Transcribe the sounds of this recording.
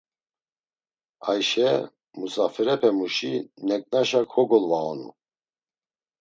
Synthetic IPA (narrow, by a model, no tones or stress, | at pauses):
ajʃɛ | musafɛɾɛpʰɛmuʃinɛkʼnaʃakʰɔɡɔlvaɔnṵ